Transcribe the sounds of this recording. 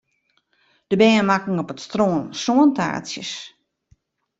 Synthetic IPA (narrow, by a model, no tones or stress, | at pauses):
d̥əbɛːəmakŋ̩ɔpətstroːnsoənta̰ːsjəs